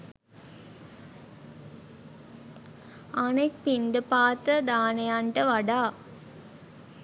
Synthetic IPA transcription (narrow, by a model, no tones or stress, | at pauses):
anek̚pind̪əpaːt̪ɾəd̪aːnejaɳʈəʋaɖaː